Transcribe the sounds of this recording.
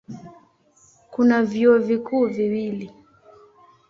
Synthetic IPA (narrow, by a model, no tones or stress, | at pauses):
kunavjiɔvikuːviwili